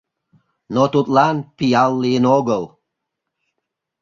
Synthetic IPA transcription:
not̪ut̪lɑnpijɑlˠːijənoɣəlˠ

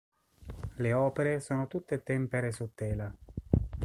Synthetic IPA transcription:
leɔːpeɾesoːnot̪ut̪ːet̪ːɛmpeɾesut̪ːɛːla

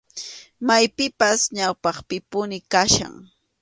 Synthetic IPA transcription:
majpɪpasɲawpɑχpɪpʊnɪkaʃa̰ŋ

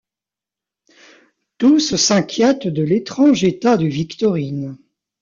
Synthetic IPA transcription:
t̪ussɛ̃kʲjɛt̪d̪əlet̪χɑ̃ʒet̪ad̪əvikt̪ɔʁin

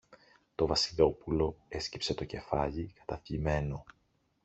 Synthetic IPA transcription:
t̪o̞vɐsilo̞pulo̞e̞scipse̞t̪o̞ce̞fɐʎikɐ̥t̪ɐfʎime̞no̞

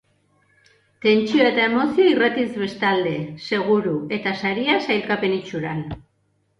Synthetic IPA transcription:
t̪e̞nt͡ʃio̞e̞t̪ae̞mo̞sioirat̪izβe̞st̪ald̪e̞se̞ɣ̞uɾue̞t̪asaɾiasajlkape̞nit͡ʃuɾan

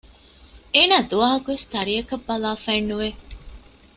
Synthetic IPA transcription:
eːnaːd̪uʋaːɦɐkuʋest̪ɐɾiɐkɐbːɐlaːfeːnːuʋe

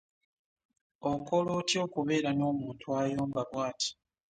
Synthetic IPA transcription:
oko̞lotjo̞ːkuβe̞ːɾano̞ːmuːntʰwaːjoːmbaβwaːtʰi̥

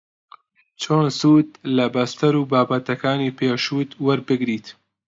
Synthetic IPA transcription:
t͡ʃʰoːnsuːd̪̚lɐbɐst̪ɐɾuːbaːbɐt̪ɐkaːniːpʰeːʃuːt̪wɐɾbɨɡɾiːt̪

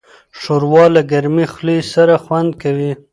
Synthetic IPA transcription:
ʂoɾwɑlaɡaɾmixlisaɾaxwand̪̚kawi

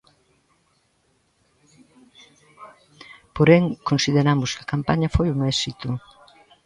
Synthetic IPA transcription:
poɾɛŋkonsiðeɾamʊskɐkampaɲɐfojuŋɛsit̪ʊ

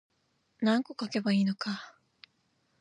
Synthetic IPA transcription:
nãŋko̞kake̞baiːno̞ka

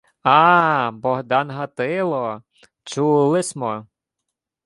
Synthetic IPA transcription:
ɑbɔɦd̪ɑnɦɐt̪ɪlˠɔ | t͡ʃulˠɪsʲmɔ

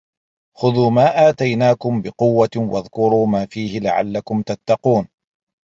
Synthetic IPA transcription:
xʊðuːmaːʔaːt̪ajnaːkʊmbɪqʊwːawa̰ðkʊɾuːmaːfiːhɪla̰ʕa̰lːakʊmt̪at̪ːɑquːn

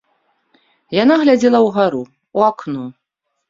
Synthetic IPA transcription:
janaɣlʲad͡zʲɛlˠɐwɣaɾu | uaknu

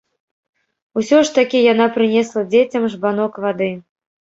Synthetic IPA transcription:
usʲɔʂt̪akʲijan̪apɾɨnʲɛslˠɐd͡zʲet͡sʲɐmʐbanɔkvad̪ɨ

